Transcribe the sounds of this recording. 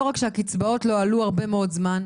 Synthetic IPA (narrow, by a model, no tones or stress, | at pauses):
oʁakʃeakit͡sbao̞tlo̞aluaʁbe̞meo̞dzman